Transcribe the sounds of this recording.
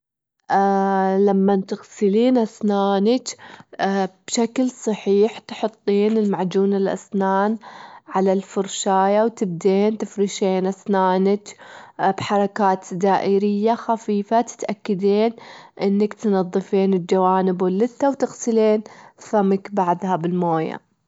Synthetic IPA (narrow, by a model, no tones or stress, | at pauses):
ʔlamːant̪ɪɣsɪliːnʔasnaːnakː | b̥ʃaklsˤɑħiːħt̪ħʊt̪ˤːiːnɪlmaʕd͡ʒuːnalʔa̰snaːnʕalalfʊɾʃaːjawt̪ɪb̚d̪eːnt̪ɪfɾɪʃeːnʔasnaːnakbħɑɾˤɑkaːt̪d̪aːʔɪɾɪjːaxafiːfat̪ɪ̥t̪ʔakːad̪eːnʔɪnːakt̪nɑðˤːɨfeːnɪld͡ʒawaːnɪbwɪlːɪt̪ːawt̪ɪɣsɪleːnfamakbaʕd̪habɪlmoːja̰